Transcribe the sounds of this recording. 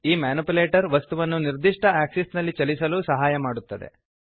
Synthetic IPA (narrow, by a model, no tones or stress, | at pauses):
iːmaːnupuleːʈɐɾʋɐst̪uʋɐnːuniɾd̪iʂʈɐaːksisnɐlːit͡ʃɐlisɐluːsɐɦaːjɐmaːɽut̪ːɐd̪ḛ